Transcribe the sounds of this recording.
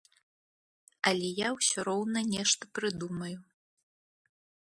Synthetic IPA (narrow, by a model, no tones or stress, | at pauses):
ɐlʲɛjawsʲɔɾɔwnɐnʲɛʂt̪ɐpɾɨd̪umɐju